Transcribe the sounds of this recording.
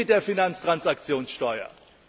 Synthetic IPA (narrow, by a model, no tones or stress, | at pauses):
ɪtd̥eːɐfinant͡stʁ̥ant͡sakt͡sjoːnsʃtɔʏɐ̰